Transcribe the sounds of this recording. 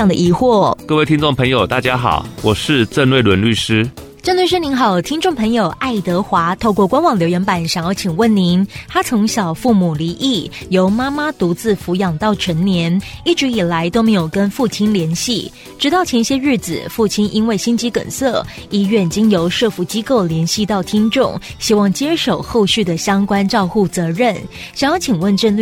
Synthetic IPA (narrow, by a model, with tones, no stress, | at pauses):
ŋd̪ə̰˨ʔi˧˥xwɔ˥˩kɤ˥˧we˥˩ɪt̪ʰi˥nʈ͡ʂo˥˩ŋpʰə˧˥ŋjo˨ʊt̪a˥˩t͡ɕja˥xɑ̰˨˩˦ʊwɔ˨˩ʂɻ̩˥˧ʈ͡ʂə˥˧nlwe˥˩ɪlwə˧˦nly˥˩ʂɻ̩˥ | ʈ͡ʂə˥˧nlwe˥˩ʂ̬ɻ̩˥ni˧˥ŋxɑ˨˩ʊt̪ʰi˥ŋʈ͡ʂʊ˥˩ŋpʰə˧˥ŋjo˨˩ʊʔa˥˩ɪt̪ɤ˧˥xwa˧˥t̪ʰo˥˧ʊkwɔ˥˩kwa˥nwɑ˨˩ŋljo˧˥ʊɥɛ˧˥npa˨˩nɕɑ˨˩ŋɔ˥˩t͡ɕʰi˨˩ŋwə˥˩nni˧˥nt̪ʰa˥t͡sʰʊ˧˥ŋɕjɑ˨˩ʊfu˥˩mu˨˩li˧˥ʔi˥˩jo˧˥ʊma˥ma˥t̪u˧˥t͡sɹ̩˥˩fu˧˥jɑ˨˩ŋt̪ɑ˥˩ʊʈ͡ʂʰə˧˥nnjɛ˧˥ni˥˩ʈ͡ʂɻ̩˧˥i˨˩la˧˥ɪt̪o˥ʊme˧˥ɪjo˨˩ʊkə˦˥nfu˥˩t͡ɕʰi˥nljɛ˧˥nɕi˥˩ | ʈ͡ʂɻ̩˧˥t̪ɑ˥˩ʊt͡ɕʰjɛ˧˥nɕjɛ˥ɻɻ̩˥˩d͡zɹ̩˨˩fu˥˩t͡ɕʰi˥nʔi˥nwe˥˩ɪɕi˥nt͡ɕi˧˥kə̰˨˩nsɤ˥˩i˥ɥɛ˥˩nt͡ɕi˥ŋjo˧˥ʊʂɤ˥˧fu˧˥t͡ɕi˥ko˥˩ʊljɛ˧˥nɕi˥˧t̪ɑ˥˩ʊt̪ʰi˥nʈ͡ʂʊ˥˩ŋɕi˥wɑ˥˩ŋt͡ɕjɛ˥ʂo˨˩ʊxo˥˧ʊɕy˥˩d̪ə˩ɕjɑ˥ŋkwa˥nʈ͡ʂɑ˥˧ʊxu˥˩t͡sɤ˧˥ɻə˥˩n | ɕɑ˨˩ŋjɑ˥˩ʊt͡ɕʰi˨˩ŋwə˥˧nʈ͡ʂə˥˧n˥